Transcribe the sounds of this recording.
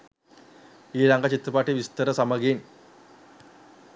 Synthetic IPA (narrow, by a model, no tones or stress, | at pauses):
iːɾɐŋɡat͡ɕit̪ːɾɐpaːʈːiʋist̪ɐɾɐsɐmɐɡiːn